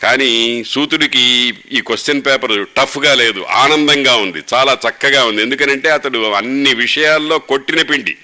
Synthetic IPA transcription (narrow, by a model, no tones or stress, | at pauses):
kaːnisuːt̪uɽikiiːkost͡ʃɐnpɛːpɐɾʈɐpʰːɡaːle̞ːd̪ṵʔa̰ːnɐnd̪ɐŋɡaːund̪it͡ʃaːlaːt͡ʃɐkːɐɡaːund̪ie̞nd̪ukɐnɐɳʈe̞ːɐt̪ɐɽuɐnːiʋiʂɐjaːlːo̞ːko̞ʈːinɐpiɳʈḭ